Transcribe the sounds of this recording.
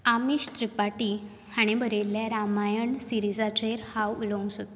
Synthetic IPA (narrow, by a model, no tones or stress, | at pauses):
amiɕt̪ɾipaʈi | haɽ̃ibʱəɾeljaɾamajəɳsiɾid͡zat͡ɕeɾhawulə̃ŋsot̪